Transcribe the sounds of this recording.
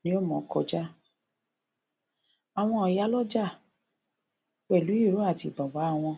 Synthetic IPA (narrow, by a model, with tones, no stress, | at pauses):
nĩ˦o˦˨mɔ̃˨˦kɔ˧d͡ʒa˦ | a˨w̃ɔ̃˧ɔ˨ja˨˦lɔ˦d͡ʒa˦˨ | k͡pɛ˨lu˨˦i˦˨ɾo˨˦a˦˨ti˧˨ɡ͡ba˨ɡ͡ba˨˦a˦˨w̃ɔ̃˧